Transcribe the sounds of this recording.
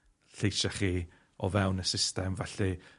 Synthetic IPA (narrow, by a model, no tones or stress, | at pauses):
ɬejʃaχiː | ɔvɛwnəsɪstɛmvaɬi